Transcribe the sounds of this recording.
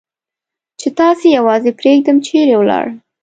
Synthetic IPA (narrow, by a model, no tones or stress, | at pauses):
t͡ʃet̪ɑsejawɑzepɾeɡ̚d̪əmt͡ʃʰeɾewlɑ̰ɽəm